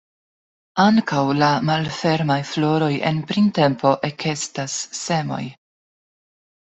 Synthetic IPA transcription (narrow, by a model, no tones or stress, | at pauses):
aŋkawlamalfe̞ɾmajflo̞ɾo̞je̞̰npɾinte̞mpo̞ʔe̞kʰe̞stasːe̞mo̞̰j